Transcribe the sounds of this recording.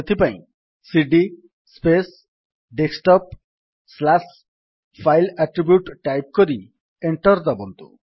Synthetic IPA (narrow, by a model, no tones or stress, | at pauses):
t̪ʰipaĩ | siɖi | spes | ɖeksʈɔp̚ | slas | pʰajlaʈɾibjuʈʈajp̚koɾi | eɳʈɔɾd̪abɔnt̪ṵ